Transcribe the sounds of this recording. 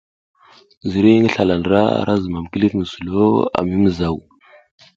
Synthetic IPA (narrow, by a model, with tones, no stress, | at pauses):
zi˨ɾi˦ŋə˦ɬa˨la˨ndɾa˦a̰˨ɾʔa˦zə˨ma˨m˨ki˦li˦tŋə˨su˨lo˦a̰˨mi˦mə˨za˦˨w